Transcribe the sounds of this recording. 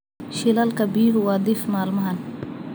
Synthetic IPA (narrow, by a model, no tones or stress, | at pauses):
ʃilɐlkɐbiːɾwad̪ifmaːlmɐɦɐn